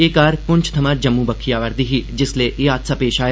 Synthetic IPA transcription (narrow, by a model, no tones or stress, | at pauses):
eːkaːɾpʊ̃nt͡ʃʰt̪ʰɐmad͡ʒɐmːubɐkʰːijaːʋəɾd̪iɦid͡ʒɪsleʔeaːt̪sapeːʃaːj